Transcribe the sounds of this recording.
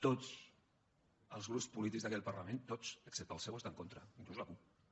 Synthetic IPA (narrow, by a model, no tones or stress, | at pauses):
t̪ot͡s | əlˠzɣɾupspulit̪ikzðəkɛl̚pəɾlamẽnt̪ot͡səksɛp̚t̪alˠsewəst̪aŋkont̪ɾəiŋkluzlakup̚